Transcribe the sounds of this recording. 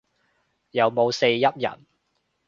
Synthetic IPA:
jɐ˨˧wmo˨˧wse˧jːɐ˥t̚jɐ̰˨˩n

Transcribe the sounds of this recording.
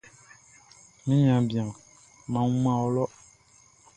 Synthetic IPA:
mĩ˦ɲã˨bi˨ã˨ | mã˨˦mã˦˨ɔ˦lɔ˦ʔ

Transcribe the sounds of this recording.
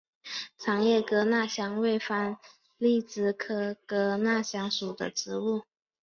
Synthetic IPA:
ʈ͡ʂʰɑ˧˥ŋjɛ˥˩kɤ˧˥na˥˩ɕjɑ˥ŋwe˥˩ɪfa˥n | li˥˩t͡sɹ̩˧˩kʰɤ˥kɤ˧˥na˥˩ɕjɑ˧˥ŋʂu˨˩d̪ə̰˦ʈ͡ʂɻ̩˧˥u˥˩

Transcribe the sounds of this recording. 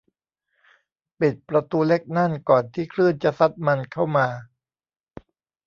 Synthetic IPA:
pi˨˩t̪̚pɾa˧t̪uː˧le˦˥k̚na˥˩nkɔː˨˩nt̪ʰiː˥˩kʰɾɯ˥˩ənt͡ɕa˨˩sa˦˥t̪̚ma˧nkʰa˥˩wmaː˧

